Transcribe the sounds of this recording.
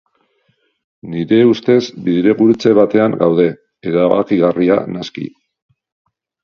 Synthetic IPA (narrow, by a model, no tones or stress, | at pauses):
niɾe̞ust̪e̞zbiðɾe̞ɣuɾut͡se̞βat̪e̞aŋɡawðe̞ | eɾaβa̰kiɣaria̰naskḭ